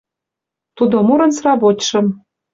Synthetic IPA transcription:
t̪ud̪omuɾɤ̆nsrɑβotʲʃɤ̆m

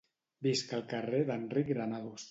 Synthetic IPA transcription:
biskəlˠkəreðənrikɣɾanaðus

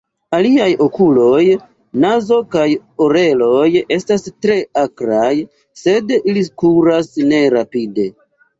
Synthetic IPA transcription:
aliajo̞kulo̞j | nazo̞kajoɾe̞lo̞je̞stastɾe̞akɾaj | se̞dilikuɾasne̞ɾapide̞

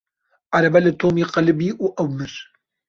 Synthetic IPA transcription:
ʔaɾɐbɐlɨt̪ʰoːmiːqɐlɪbiːʔuːʔɐwmɨɾ

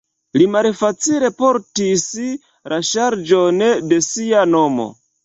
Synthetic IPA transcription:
limalfat͡sile̞poɾtis | lʔaʃaɾd͡ʒonde̞siano̞mo̰

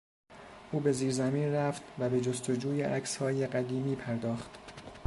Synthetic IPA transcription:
ʔuːbe̞ziːɾzæmiːnræft̪væbe̞d͡ʒost̪o̞d͡ʒuːjeʔæcshɒːjeɢæd̪iːmiːpʰæɾd̪ɒːxt̪

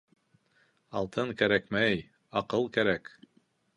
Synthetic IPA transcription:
ɑlˠt̪ʰɤŋkæɾækmæj | ɑqɤlˠkæɾæk

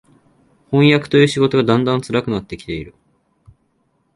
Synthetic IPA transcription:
hõ̞ɰ̃jakɯ̥t̪o̞jɯ̟ːɕiɡo̞t̪o̞ɡad̪ãnd̪ãnt͡sɨɾakɯ̟nat̪ːe̞kʲi̥t̪e̞iɾɯ̟

